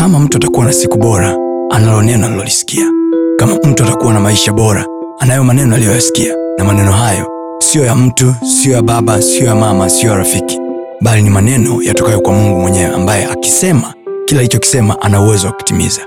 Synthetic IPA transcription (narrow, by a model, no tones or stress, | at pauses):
kamam̩tuatakuwanasikuɓɔɾaanalɔnɛnɔalilɔlisi̥kiakamam̩tuatakuwanamaiʃaɓɔɾa | anajɔmanɛnɔalijɔjasi̥kianamanɛnɔɦajɔ | siɔjam̩tusiɔjaɓaɓasiɔjamamasiɔjaɾafiki̥ | ɓalinimanɛnɔjatɔkajɔkwamuŋɡumwɛɲɛwɛ̰a̰mbajɛʔaki̥sɛma | kilaːlit͡ʃɔki̥sɛmaʔanauwɛzɔwaku̥timḭza